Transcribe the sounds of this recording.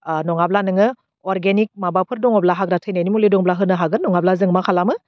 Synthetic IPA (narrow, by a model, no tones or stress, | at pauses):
nɔŋablanɯŋɯ | ɔɾɡenik̚mabapʰɯɾdɔŋɔblaɦak̚ɾatʰɯjnajnimulidɔŋɔblaɦɯnɯɦaɡɯnːɔŋablazɯŋmakʰalamɯ